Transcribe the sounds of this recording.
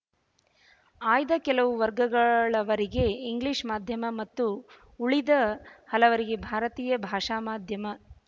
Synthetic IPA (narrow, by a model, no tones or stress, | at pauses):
aːjd̪ɐkɛlɐʋuʋɐɾɡɐɡɐɭɐʋɐɾiɡe̞iŋɡliːʂmaːd̪ʱjɐmɐmɐt̪ːu | uɭid̪ɐhɐlɐʋɐɾiɡe̞bʱaːɾɐt̪iːjɐbʱaːʂaːmaːd̪ʱjɐmɐ